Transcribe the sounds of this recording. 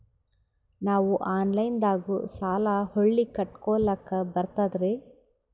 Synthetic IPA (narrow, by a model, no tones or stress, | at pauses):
naːʋuʔaːnlɐjnd̪aːɡusaːlahoɭːikɐʈkɔːɭɐkːɐbɐɾt̪ad̪ɾe